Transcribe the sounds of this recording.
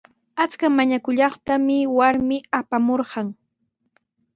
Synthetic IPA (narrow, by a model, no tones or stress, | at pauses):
at͡skamaɲakʊʎɑχt̪amɪwaɾmɪapamoɾɢɑŋ